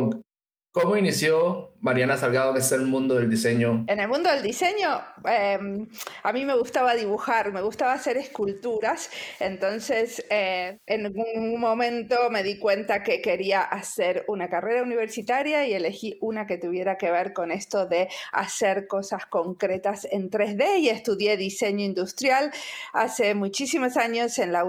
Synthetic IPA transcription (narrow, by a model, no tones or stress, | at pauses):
komoinisjomaɾjanasalɣaðokeselmũnd̪oðeld̪iseɲoene̞lmũnd̪oðeld̪ise̞ɲo̞emamime̞ɣust̪aβaðiβuxaɾme̞ɣust̪aβaːse̞ɾe̞skult̪uɾasent̪o̞nseseenɣunmõ̞mẽ̞nt̪o̞me̞ðikwe̞nt̪akeke̞ɾiaʔaseɾunakare̞ɾauniβe̞ɾsit̪aɾjaie̞le̞xiunake̞t̪uβ̞je̞ɾake̞βe̞ɾko̞ne̞st̪o̞ðe̞a̰se̞ɾko̞sasko̞ŋkɾe̞t̪ase̞nt̪ɾe̞zðe̞ie̞st̪uðje̞ðise̞ɲoind̪ust̪ɾjala̰se̞mut͡ʃisimo̞saɲo̞se̞nla